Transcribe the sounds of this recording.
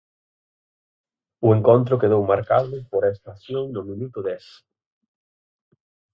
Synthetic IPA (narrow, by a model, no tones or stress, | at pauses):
ʊeŋkont̪ɾʊkeðowmaɾkaðʊpoɾaest̪aθjõŋnʊmĩnut̪ʊðɛs